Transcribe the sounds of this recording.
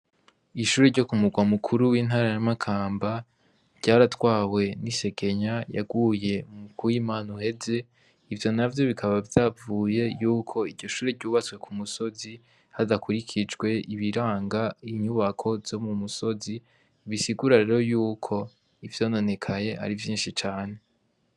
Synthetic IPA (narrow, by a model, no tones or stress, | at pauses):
iʃuːɾeɾɟo̞kumuɡwamukʰuɾuwiːn̥ɦaːɾajamakʰaːmba | ɾɟ̥aːɾatwaːwe̞nise̞ke̞ɲaja̰ɡwuːje̞mukuwimaːnuhe̞ze̞ | ivjo̞navjo̞βikʰaβavjavuːje̞juːkʰo̞iɾɟo̞ʃuːɾedɟuːβat͡swe̞kʰumuso̞zi | hadakuɾikʰid͡ʒɡwe̞iβiɾaːŋɡaiɲuβakʰo̞vz̥o̞mumuso̞zi | βisiɡuɾaɾe̞ːɾo̞juːkʰo̞ | ivjoːno̞ne̞kʰaɲe̞ʔa̰ɾivjiːnʃit͡ʃaːne̞